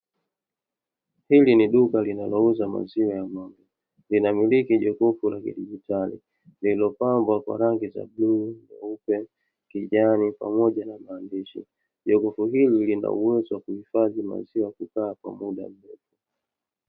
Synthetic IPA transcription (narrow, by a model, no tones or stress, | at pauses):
hiliniɗukalinalɔuzama̰ziwajamaŋɡɔ | linamilikiʄɔkɔfulakḭɗiʄitalḭ | lilɔpambwakwa̰ɾaŋɡiza̰bluːnna̰upɛ | kiʄanipa̰mɔɟanamaːndiʃḭ | ʄɔkɔfuɦililina̰uwɛziwakuhifaðima̰ziwakukaːkwa̰muɗa̰m̩dɔtɔ